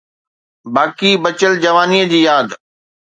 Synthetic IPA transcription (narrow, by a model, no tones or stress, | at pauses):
baːkibɐt͡ɕəld͡ʑɐʋaːniːəd͡ʑiːjaːd̪